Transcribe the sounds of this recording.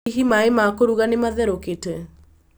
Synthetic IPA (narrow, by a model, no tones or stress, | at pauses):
iɦimaemakoɾuɣanemaðɛɾokete